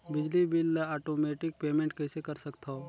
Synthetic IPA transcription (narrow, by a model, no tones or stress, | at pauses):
bɪd͡ʒlibɪlaːʈoːmeːʈɪk̚peːmẽːɳʈkɛːsekɐɾsɐkt̪ʰa